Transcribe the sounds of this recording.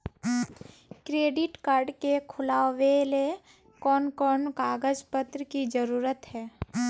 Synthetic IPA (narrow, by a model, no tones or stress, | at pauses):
kɾeːɖɪʈkaːɾɖkekʰʊlaːʋele | kɔːnkɔːnkaːɡəd͡ʒpət̪ɾəkid͡ʒəɾuːɾət̪ɦɛː